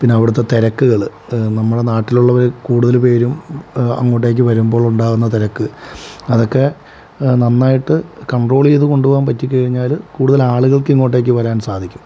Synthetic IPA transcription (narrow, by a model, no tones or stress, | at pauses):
pinːeɐʋiɽɐt̪ːe̞t̪eɾɐkːuɣɐɭnɐmːuɽe̞naːʈːiluɭːɐʋɐɾkuːɽuðɐlpe̞ːɾumɐ̰ŋːo̞ːʈ̬ːe̞ːk̬ʲːɨʋɐɾumbo̞ːɭuɳɖaːɣunːɐt̪eɾɐkːɨɐðo̞kːe̞ | nɐnːaːjiʈːɨkɐɳɖro̞ːɭijðɨko̞ɳɖuoːampɐtːikʲːɐɻiɲːaːlkuːɽuðɐlaːɭuɣɐɭkeŋːo̞ːʈːe̞ːkːɨʋɐɾaːnsaːd̪ʱikʲːu̥m